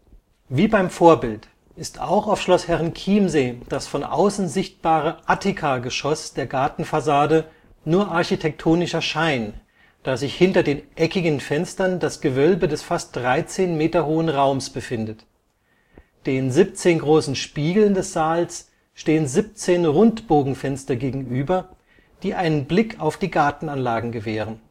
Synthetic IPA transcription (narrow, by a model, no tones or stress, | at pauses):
viːbaɪmfoːɐbɪlt | ʔɪstʰa̰ʊxaʊfʃlɔshɛʁənkʰiːmzeːd̥asfɔnʔa̰ʊsn̩zɪçt̚b̥aːʁəʔatʰɪkʰaɡəʃɔsd̥eːɐɡaɐtn̩fasaːdə | nuːɐʔaɐçitʰɛk̚tʰoːnɪʃɐʃaɪn | d̥aːzɪçhɪntɐdeːnʔɛkɪɡən̩fɛnstɐndasɡ̥əvœlbədɛsfast̚d̥ʁaɪt͡seːnmeːtɐhoːənʁaʊmsb̥əfɪndət | d̥eːnzɪp̚t͡seːnɡʁoːsn̩ʃpiːɡl̩ndɛsz̥aːls | ʃteːənzɪp̚t͡seːnʁʊntb̥oːɡŋ̩fɛnstɐɡeːɡŋ̩ʔyːbɐ | d̥iːʔaɪnənblɪkʰaʊfd̥iːɡaɐtn̩anlaːɡŋ̩ɡəvɛːʁ̞ən